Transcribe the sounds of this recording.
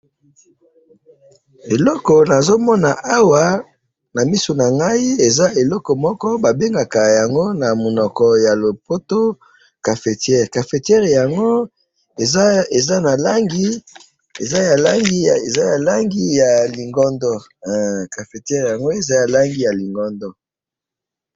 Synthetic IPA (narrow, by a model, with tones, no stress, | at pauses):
e˨lɔ˦kɔ˨na˨zo˦mɔ˦na˨ʔa˦wa˨ | na˨mi˦so˨na˨ŋɡa˦i˦e˨za˦e˨lɔ˦kɔ˨mɔ˦kɔ˦ba˨be˦ŋɡa˨ka˨ja˨ŋɡo˦na˨mo˨nɔ˨kɔ˨ja˨lo˨po˦to˦ | ka˨fe˨tjɛ˦˨ʁka˨fe˨tjɛ˦ʁja˨ŋɡo˦ | e˨ze˨za˦na˨la˦ŋɡi˦ | e˨za˦ja˨la˦ŋɡi˦a˨e˨za˦ja˨la˦ŋɡi˦ja˨li˨ŋɡɔ˦ndɔ˦˨ | ka˨fe˨tjɛ˦ʁja˨ŋɡo˦e˨za˦ja˨la˦ŋɡi˦ja˨li˨ŋɡɔ˦ndɔ˦